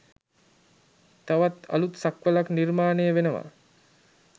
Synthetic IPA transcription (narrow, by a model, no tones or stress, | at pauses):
t̪aʋat̪a̰lut̪sakʋəlaknirmaːnejəʋenəʋa̰